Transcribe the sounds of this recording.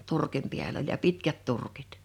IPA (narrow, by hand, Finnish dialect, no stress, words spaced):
turkim piæl olʲ jɑ pitkæt turkit